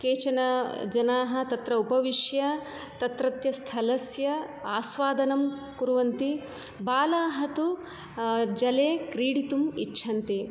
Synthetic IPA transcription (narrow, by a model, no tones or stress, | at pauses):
keːt͡ʃɐnɐd͡ʒɐnaːɦɐ̆t̪ɐt̪ɾɐupɐʋiʂjɐ | t̪ɐt̪ɾɐt̪jɐst̪ʰɐlɐsjɐaːsʋaːd̪ɐnɐm | kuɾuʋɐnt̪i | baːlaːɦɐt̪u | d͡ʒɐleːkɾiːɽit̪umiːʃʰɐnt̪i